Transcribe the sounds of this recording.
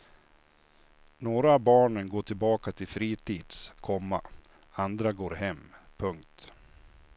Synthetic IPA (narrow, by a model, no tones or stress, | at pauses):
noːɾabɑːɳənɡoːʈʰɪlbɑːkat̪ʰɪlfɾiːt̪ʰiːd̪̥skʰɔmːa̰ | and̪ɾaɡoːɾɦɛmːpʰɵŋkt̪